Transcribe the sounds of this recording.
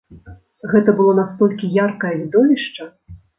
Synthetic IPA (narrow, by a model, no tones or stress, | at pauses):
ɣɛt̪ɐbɨlˠɔnast̪ɔlʲkʲijarkɐjɐvʲid̪ɔvʲiʂt͡ʂɐ